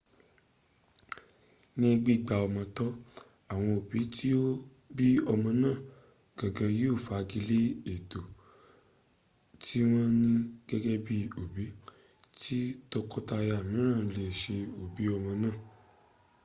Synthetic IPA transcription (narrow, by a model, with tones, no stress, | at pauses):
nĩ˦ɡ͡bi˦˨ɡ͡ba˧ɔ˧mɔ̃˧tɔ˦ | a˦˨w̃ɔ̃˧o˨bi˨˦tʰi˦o˦ | bi˦ɔ˧mɔ̃˧nãː˦˨ | ɡ̥a˨ɡã˨˧ji˦o˦˨fa˧ɡi˧le˦e˨to˨ | tʰi˦w̃ɔ̃˦nĩ˦ɡ̥ɛ˦ɡɛ˦bi˦o˨bi˨˦ | ti˦to˧kɔ˦ta˧ja˧˨mĩ˨˦ɾ̃ã˦˨˧le˨ʃe˧o˨bi˨˦ɔ˧mɔ̃˧nãː˦˨